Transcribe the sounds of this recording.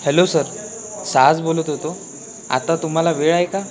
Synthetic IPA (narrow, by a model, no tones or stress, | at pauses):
helosəɾ | sad͡zbolət̪ɦot̪o | a̰t̪at̪um̤alaʋeɭajka